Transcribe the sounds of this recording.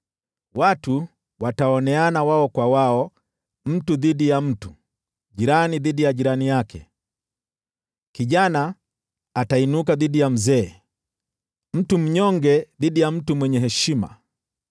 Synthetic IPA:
watu | wataɔnɛanawaɔkwawaɔ | m̩tuðiɗijam̩tu | ɟiɾaniðidijaʄiɾanijakɛ̰ | kiʄanaː | tainuk̬aðidijam̩zɛː | m̩tum̩ɲɔŋɡɛðiɗijam̩tumwɛɲɛɦɛʃima̰

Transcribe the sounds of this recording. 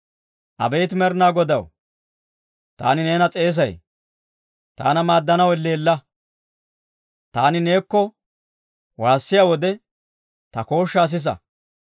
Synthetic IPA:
ʔɐ̰bɛjt̪̬ɪmɛɾnaːɡɔd̪ɐw | t̪a̰ːnɪne̞ːnɐt͡sʼe̞ːs̬ɐj | t̪a̰ːnɐmaːd̪ːɐnɐwɪlːe̞ːlːɐ | t̪aːnɪne̞ːkːɔ | waːsːɪjawɔd̪ɛ | t̪ɐko̞ːʃːaːs̬ɪs̬ɐ̰

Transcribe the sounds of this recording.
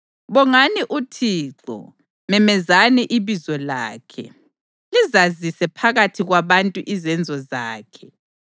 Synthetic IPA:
βɔŋaniʔutʰiːǁɔ̰ | mɛmɛzanɛʔiβizɔlaːkʰɛ̰ | lizazisɛpʰaɣatʰiɣwaβantʼuʔizɛnd͡zʱɔzaːkʰɛ̥

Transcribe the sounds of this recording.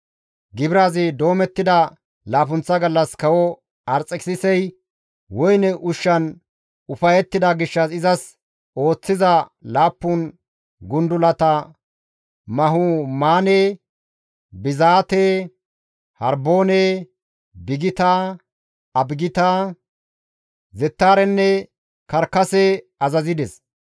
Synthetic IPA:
ɡɪbɪɾaːzɪd̪o̞ːmɛt̪ːɪd̪ɐ | laːp̬ʊnt͡sːɐɡɐlːɐskɐwɔ | ɐɾt͡sʼɛksɪsɛj | wɔjnɛʔʊʃːɐn | ʊfɐjɛt̪ːɪd̪ɐɡɪʃːɐsɪzɐs | o̞ːt͡sːɪzɐlaːpːʊn | ɡʊnd̪ʊlɐt̪ɐ | mɐɦʊmaːneː | bɪzaːt̪e | hɐɾboːne | bɪɡɪt̪ɐ | ɐbɡɪt̪ɐ | zɛt̪ːaːɾɛnːɛ | kɐɾkːɐsɛ | ɐzɐzɪd̪ɛs

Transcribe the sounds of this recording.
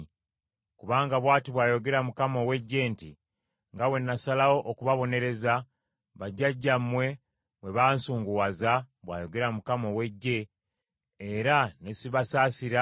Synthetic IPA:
kuβaːŋɡaβwaːtiβwaːjo̞ɡe̞ɾamukamo̞we̞ɟːe̞ːnti | ŋɡawe̞nːasalawo̞ʔokuβaβo̞ne̞ɾe̞za | βaɟːaɟːamːwe̞ | βwe̞βansuːŋɡuwaza | βwa̰ːjo̞ɡe̞ɾamukamowe̞ɟːe̞ː | ɾane̞siβasaːsiɾa

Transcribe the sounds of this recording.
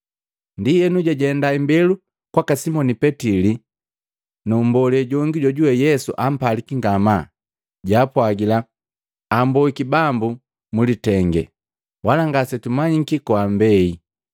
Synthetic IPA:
ndiɛnuɟaɟɛndaimbɛlu | kwakasimɔnipɛtili | numbɔlɛɟɔŋɡiɟɔɟuwɛjɛsṵʔam̩palikiŋɡama | ɟaːpwaɡila | ambɔikibambu | mulitɛŋɡɛ̰ | walaŋɡasɛtumaɲikikɔambɛi

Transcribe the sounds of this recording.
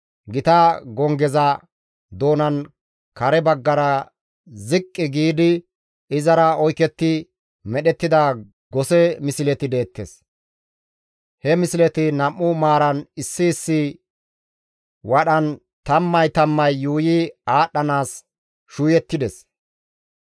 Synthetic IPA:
ɡɪt̪ɐɡɔŋɡɛzɐ | d̪o̞ːnɐn | kɐɾɛbɐɡːɐɾɐ | zɪkʼːɪɡiːd̪ɪ | ɪzɐɾɐɔjkɛt̪ːɪ | mɛɗɛt̪ːɪd̪ɐ | ɡɔsɛmɪsɪlɛt̪ɪd̪e̞ːt̪ːḛs | hɛmɪsɪlɛt̪ɪnɐmːʊmaːɾɐnɪsːɪːsːɪ | wɐɗɐn | t̪ɐmːɐjt̪ɐmːɐjːuːjɪaːɗːɐnaːs | ʃuːjɛt̪ːɪd̪ɛs

